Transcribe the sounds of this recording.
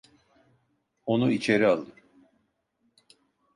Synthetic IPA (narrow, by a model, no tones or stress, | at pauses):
o̞nuit͡ʃʰe̞ɾialˠd̪ɯm